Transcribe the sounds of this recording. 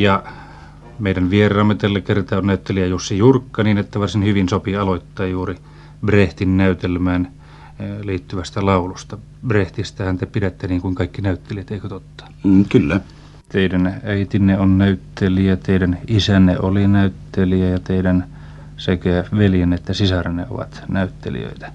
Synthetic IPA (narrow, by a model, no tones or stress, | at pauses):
jɑ | meˑidænʋierˑɑːmːet̪ælːækert̪ɑonnæyt̪ːeliæjosːejurkːɑniːnet̪ːæʋɑrsinhyʋinsopiɑloit̪ːɑːjjuːri | breht̪innæyt̪elmæːn | liːt̪ːyʋæst̪ælɑulust̪ɑ | breht̪ist̪æhænt̪æpidet̪ːeniːŋkuiŋkɑikːinæyt̪ːeliæt̪eikøt̪ot̪ːɑ̥kylːæ | t̪eidænæit̪inːeonnæyt̪ːeliæt̪eidænisænːḛolinæyt̪ːeliæjɑt̪eidæn | sekææʋeljenːeet̪ːæsisɑrnḛo̰ʋɑ̰t̪næyt̪ːḛlḭø̰it̪æ̥